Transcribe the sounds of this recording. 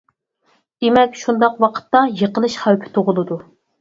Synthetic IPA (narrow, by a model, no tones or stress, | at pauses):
d̪̥emɛkʲʃund̪ɑqwɑqʰə̥t̪ːɑjəqəlˠɨʃχæwpʰɪ̥t̪ʰoʁʊlˠɨd̪u